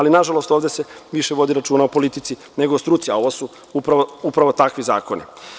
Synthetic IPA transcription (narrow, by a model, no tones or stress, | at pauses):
alinaʒalo̞st̪oʋd̪e̞seʋiʃeʋo̞d̪iɾat͡ʃuːnaopo̞lit̪it̪si | ne̞ɡost̪ɾut̪siao̞ʋosu | upɾaʋoupɾaʋo̞t̪akʋiza̰ːko̞nḭ